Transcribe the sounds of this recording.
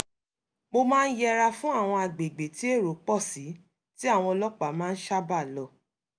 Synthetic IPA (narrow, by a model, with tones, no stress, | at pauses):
mo˧mãː˦n̩˦jɛ˦ɾa˧fũ˦a˦˨w̃ɔ̃˧a˨ɡ͡be˨ɡ͡be˨ti˨˦e˦˨ɾo˨˦k͡pɔ˦˨si˨˦ | ti˦a˦˨w̃ɔ̃˧lɔ˦k͡pa˨˦mãː˦˧n̩˦ʃa˦ba˦˨lɔ˧